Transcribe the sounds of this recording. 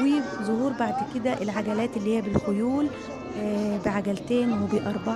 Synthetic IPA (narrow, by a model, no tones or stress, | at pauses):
wiːzˤohuːɾˤbaʕd̪ked̪æʔelʕaɡælæːt̪elːiːhijːæbelxojuːl | beʕaɡælt̪eːnwebeʔɑɾˤbɑ